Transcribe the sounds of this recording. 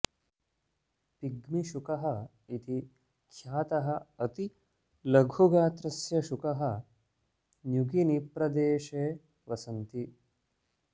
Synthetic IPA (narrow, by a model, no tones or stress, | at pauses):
piɡmiʃukɐɦɐ | it̪i | kʰjaːt̪ɐɦɐɐt̪i | lɐɡʱuɡaːt̪ɾɐsjɐʃukɐɦɐ | njuɡinipɾɐd̪eːʃeː | ʋɐsɐnt̪i